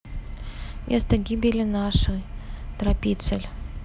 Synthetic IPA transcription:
mʲʔest̪əɡʲibʲɪlʲɪnaʂəjt̪ɾɐpʲit̪səlʲ

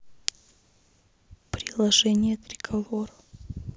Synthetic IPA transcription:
pɾʲɪlˠɐʐɛnʲɪjət̪ɾʲɪɡɐvoɾə

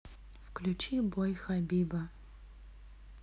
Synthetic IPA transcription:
fklʲut͡ʃibɔjxɐbʲiːbɐ

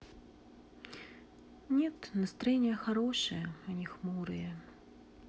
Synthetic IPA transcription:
nʲɛt̪nɐst̪ɾɐjenʲɪjəxɐɾoʂɨjəɐnʲixmuɾɨjə

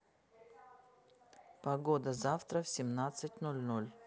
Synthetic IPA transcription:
pɐɡod̪əzaft̪ɾəfsʲɪmnat̪sɨtʲnolʲnolʲ

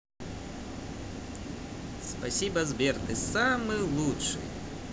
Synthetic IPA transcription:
spasʲibɐzbʲɛrt̪ɨsamɨlˠuʂɨ̰

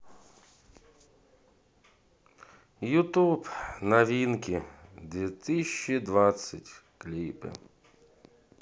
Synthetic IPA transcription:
jut̪upnɐʋʲinkʲid̪ʲʋʲit̪ɪɕʲt͡ʃːid̪ʋasʲɐtʲklʲipɪ̰

